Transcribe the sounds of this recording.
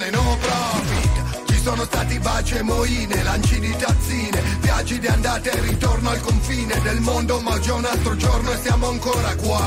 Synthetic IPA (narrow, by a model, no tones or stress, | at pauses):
enɔpɾɔvi | t͡ʃisoːnost̪aːt̪ibat͡ʃemoiːnelant͡ʃid̪it̪at̪sːiːnepjaːt͡ʃid̪iand̪aːt̪erːit̪ornoalkoɱfiːned̪elmond̪omad͡ʒounalt̪ɾod͡ʒornoesjaːmoaŋkoːɾakwa